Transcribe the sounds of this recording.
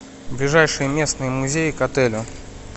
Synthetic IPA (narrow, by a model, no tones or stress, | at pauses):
blʲɪʐajʂɨjəmʲe̞snɨjəmʊzʲejɪkɐt̪ɛlʲʊ